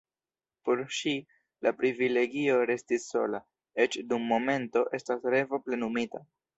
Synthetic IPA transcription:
po̞ɾʃi | lapɾivile̞ɡio̞ɾe̞stisːo̞̰la | e̞t͡ʃdumːo̞me̞nto̞ʔe̞stasɾe̞vo̞ple̞numita

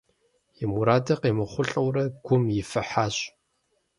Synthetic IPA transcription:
jɛmuɾaːdɐqeːmɨχʷʊɬʼɐwɾɐɡ̥ʷʊmjɪfɐħaːɕʼ

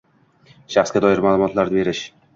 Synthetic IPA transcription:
ʃaχsɡʲad̪ɒɪɾmalˠumɒt̪ʰlaɾnɪbe̞ɾɪʃ

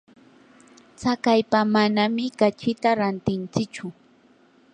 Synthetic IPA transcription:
t͡sakajpamanamɪkat͡ʃɪt̪aɾant̪ɪnt͡sɪkt͡ʃʊ

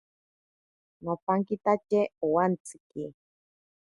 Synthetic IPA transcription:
nopaŋkit̪at͡ʃeowant͡sɨ̥ki

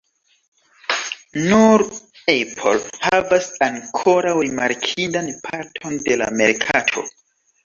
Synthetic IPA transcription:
nuɾ | epʰo̰lhavasaŋkʰo̞ɾawɾimaɾkʰidanpʰaɾtʰo̞nde̞la̰me̞ɾkʰatʰo̞̰

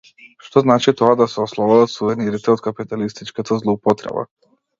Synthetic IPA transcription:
ʃt̪oznaːt͡ʃit̪oad̪asɛoslˠobad̪at̪suʋɛniɾit̪ɛot̪kapit̪alist̪it͡ʃkat̪ʰazlˠoupot̪ɾɛ̰ba̰

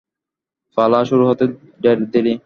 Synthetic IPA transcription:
falaʃuɾuɦɔt̪e | ɖɛɾd̪eɾi

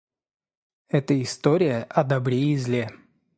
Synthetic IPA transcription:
ɛt̪əɪst̪oɾʲɪjəʔɐd̪ɐbɾʲeɪzlʲe

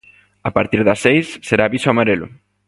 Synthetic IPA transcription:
apaɾt̪iɾðasejsːeɾaːβisoamaɾelʊ̰

